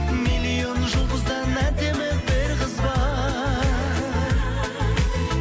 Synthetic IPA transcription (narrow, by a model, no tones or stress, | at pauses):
mijlʲijo̞nʒʊlˠd̪əzd̪ɑnæd̪e̞mɪbɪɾqəzbɑ